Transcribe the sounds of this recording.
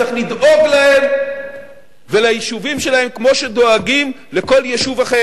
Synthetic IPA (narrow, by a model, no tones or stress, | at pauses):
aχlid̪ʔo̞ɡlahe̞m | velajiʃuvimʃe̞lahe̞mkmo̞ʃe̞d̪o̞aɡim | leko̞ljeʃuvaχe